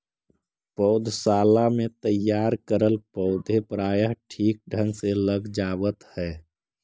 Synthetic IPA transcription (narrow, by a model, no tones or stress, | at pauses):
pəʊd̪ʱsaːlamẽt̪əjaːɾkəɾəlpəʊd̪ʱepɾaːjəɦʈʰiːk̚ɖʱə̃nɡseləɡd͡ʒaːwət̪hɛː